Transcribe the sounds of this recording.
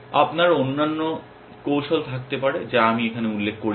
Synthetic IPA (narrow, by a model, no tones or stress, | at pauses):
a̰pnaɾonːanːo | kowʃolt̪ʰak̚t̪epaɾed͡ʑaamiekʰaneulːek̚ʰːkoɾ